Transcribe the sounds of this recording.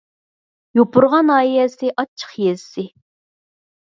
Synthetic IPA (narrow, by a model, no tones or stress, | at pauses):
jopʰʊɾʁɑnɑːjɛsɪʔɑt͡ʃʰːə̥χjɛsɪ